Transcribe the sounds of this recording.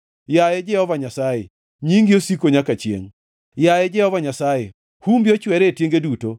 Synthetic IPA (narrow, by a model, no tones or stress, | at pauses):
jajɛd͡ʒɛhɔvaɲasaje | ɲiŋɡiosikoɲakat͡ʃjḛŋ | jajɛd͡ʒɛhɔvaɲasaje | humbjot͡ʃwɛɾetjeŋɡeduto